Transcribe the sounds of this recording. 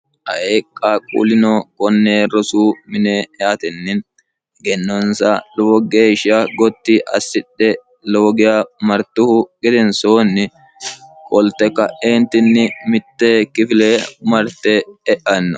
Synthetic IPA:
ʔɐʔekʼːaːkʼṵːlɪnɔkʼɔnːeːɾɔsuːmɪneɛɐt̪ɛnːɪn | ɡɛnːɔnsɐloːɡeːʃaɡɔt̪ːɪʔɐ̰sːɪɗːɛ | loːɡɪjaːmɐɾt̪ːʊhʊɡɛd̪ɛnsoːnːɪ | kʼɔlt̪ːɛkːɐʔeːnt̪ːɪnːɪmɪt̪ːɛkɪfɪleːmɐɾt̪ɛɛʔɐnːɔ

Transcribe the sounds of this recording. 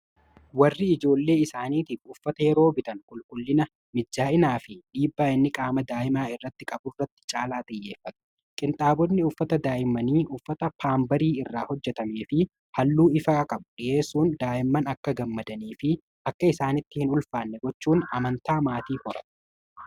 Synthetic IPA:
wɐrːɪɪd͡ʒo̞ːlːe̞ːɪsaːniːt̪ɪʊfːɐt̪ɐjɛɾo̞ːbɪt̪ɐnkʼʊlkʼʊlːɪnɐ | mɪd͡ʒːaːɪnaːfɪᶑiːbːaːɪnːɪkʼaːmɐd̪aːʔɪmaːɪrːɐt̪ːɪkʼɐbʊrːɐt̪ːɪ̥t͡ʃʼaːlaːt̪ʼɪjːe̞ːfːɐt̪̚ʊ̥ | kʼɪnt̪ʼaːbɔnːɪʊfːɐt̪ɐd̪aːʔɪmːɐniːʔʊfːɐt̪ɐpʰaːmbɐɾiːɪrːaːhɔd͡ʒːɛt̪ɐmeːfɪ | hɐlːuːɪfɐkʼɐbʊᶑɪje̞ːsuːnd̪aːʔɪmːɐnɐkːɐɡɐmːɐd̪ɐniːfɪ | ʔɐkːɐɪsaːnɪt̪ːɪhɪnʊlfaːnːɛɡɔt͡ʃːuːnɐmɐnt̪aːmaːt̪iːhɔɾɐ̰t

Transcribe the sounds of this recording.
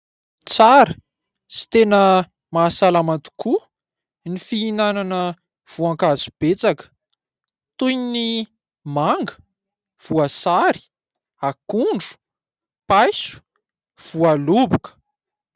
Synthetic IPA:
t͡saɾə | si̥t̪enə | masalamat̪u̥kʰu | nifiinananə | v̥uãŋkazub̥et͡sakə̥ | t̪ujni | maŋɡə̥ | v̥uasaɾi̥ | akuɳɖ͡ʐu̥ | pajsu̥ | v̥ualubukə̥

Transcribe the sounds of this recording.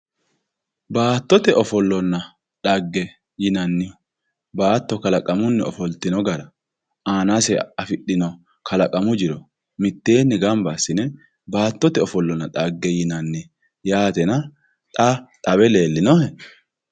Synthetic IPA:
baːt̪ːɔt̪ɛʔɔfɔlːɔnːɐ | ᶑɐɡːɛ | jɪnɐnːɪ | baːt̪ːɔkɐlɐkʼɐmʊnːɛɔfɔlt̪ɪnɔɡɐɾɐ | aːnasɛɐfɪɗɪnɔ | kʰɐlɐkʼɐmʊd͡ʒɪɾɔ | mɪt̪ːe̞ːnːɪɡɐmbɐsɪnɛ | baːt̪ːɔt̪ɛɔfɔlːɔnːɐᶑɐɡːɛjɪnɐnːɪ | jaːt̪ɛnɐ | t̪ʼɐt̪ʼɐbɛle̞ːlːɪnɔhɛ

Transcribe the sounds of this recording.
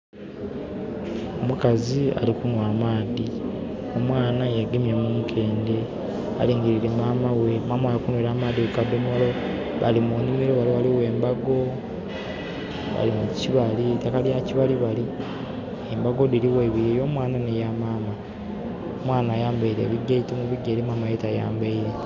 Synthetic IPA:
omukazia̰likunwaːmaːði | o̞mwaːnajeɡemjemuːŋkʰe̞ːnde̞ | a̰liːŋɡiɾiɾe̞maːmawe̞maːmawajakunweɾamaːdiwekadomolo | βalimunimiɾoβaliwaliwe̞ːmbaɡo̞ | βa̰limuciβalitakalijaciβaliβali | embaɡo̞diliweβiejo̞ːmwaːnanejamaːma | omwaːnaːjaːmbaiɾḛβiɟːaitemuβiɟːeːɾimaːmajetaja̰ːmbaiɾe̞

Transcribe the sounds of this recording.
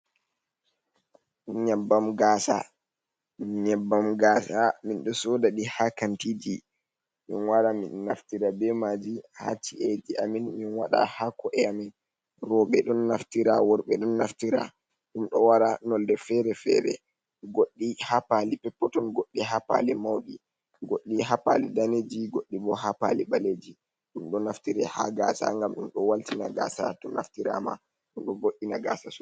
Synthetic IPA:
ɲabːamɡaːsa̰ | ɲɛbːamɡaːsaminɗɔsɔdaɗihakantid͡ʒi | mḭnwaɾaminːaftiɾabɛmad͡ʒiha̰t͡ʃiʔɛd͡ʒiʔaminminwaɗa̰hakɔʔɛamin | ɾɔɓɛɗɔnːaftiɾawɔɾɓɛɗɔnːaftiɾa̰ | ɗumɗɔwaɾanɔldɛfɛɾɛfɛ̰ɾɛ̰ | ɡoɗːihapalipɛpːɔtɔnɡoɗːiɦapa̰lɛmawɗi | ɡoɗːiɦapa̰lidaned͡ʒiɡoɗːibɔhapa̰liɓaled͡ʒi | ɗumɗɔnːaftiɾɛha̰ɡasa̰ŋɡamɗumɗɔwaltinaɡa̰sa̰tɔna̰ftiɾa̰ma̰ | ɗumɗɔɡoɗːinaɡa̰sasɔ

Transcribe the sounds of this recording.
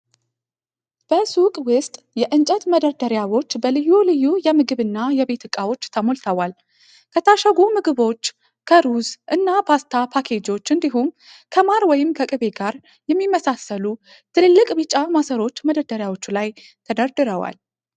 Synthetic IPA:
b̥əsukʼwʊst̪ʼjɛʔɨnt͡ʃʼət̪məd̪əɾd̪əɾjawo̞t͡ʃːbəlɨjːulɨjːujɛmɨɡɨβɨnːajɛβe̞t̪ɨkʼːawo̞t͡ʃːt̪ʰəmolt̪ʰəwal | kʰət̪ʰaʃaɡumɨɡɨβo̞t͡ʃː | kʰəɾuzʔɨnːapʰast̪ʰapʰakʰe̞d͡ʒo̞t͡ʃːɨnd̪iɦum | kʰəmaɾwɔjɪmkʰəkʼɨβe̞ɡaɾ | jɛmːimːəsasəlu | t̪ʰɨlɨlːɨkʼbɨt͡ʃʼamasəɾo̞t͡ʃːməd̪əɾd̪əɾjawo̞t͡ʃːulaj | t̪ʰəd̪əɾd̪ɨɾəwa̰l

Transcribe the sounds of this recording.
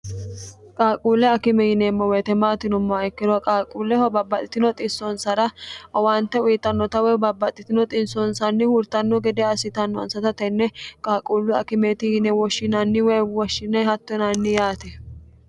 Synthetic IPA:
kʼaːkʼuːlːɛɐkɪmɛjɪnɛːmːɔwɛt̪ɛmaːt̪ɪnɔmːɔɐɪkːɪɾɔkʼaːkʼuːlɛhɔbɐbːɐt̪ʼːɪt̪ɪnɔt̪ʼɪsːɔnsɐɾɐɐwant̪ːɛʊjɪt̪ːɐnːɔt̪ɐwɛbɐbːɐt̪ʼːɪt̪ɪnɔt̪ʼɪnsɔnsɐnːɪhʊɾt̪ɐnːɔɡɛd̪ɛɐsɪt̪ɐnːɔɐ̰nsɐt̪ɐt̪ɛnːɛkʼaːkʼuːlːʊɐ̰kɪmeːt̪ɪjɪnɛwɔʃːɪnɐnːɪwɛwɔʃːɪnːɛhɐt̪ːɔnɐnːɪjaːt̪ɛ

